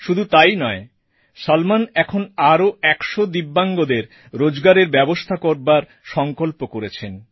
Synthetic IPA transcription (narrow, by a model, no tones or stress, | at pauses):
ʃud̪ʱut̪ajnɔe | ʃalmanɛkʰonaɾoɛkʃod̪ibːaŋɡod̪eɾ | ɾod͡ʑɡaɾeɾbɛbost̪ʰakoɾbaɾ | ʃɔŋkolpokoɾet͡ɕʰen